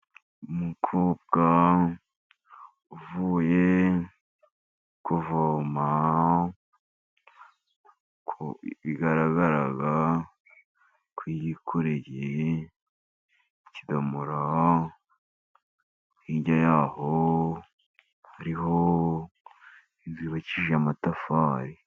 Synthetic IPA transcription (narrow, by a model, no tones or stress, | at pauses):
umukʰoːb̚ɡa | uvuje | kuvoma | kʰβiɡaɾaɡaɾaɡa | kwijikʰoɾeɟe | cidamuɾa | hiːɲɟajaːho | haɾiɦo | iziβaciʒamatafaɾi